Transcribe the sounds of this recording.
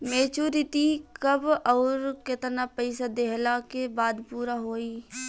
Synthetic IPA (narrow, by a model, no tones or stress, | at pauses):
meːt͡ʃuɾɪt̪ikɐbɔːɾket̪napəɪsad̪eɦlakebaːd̪puːɾaɦoːiː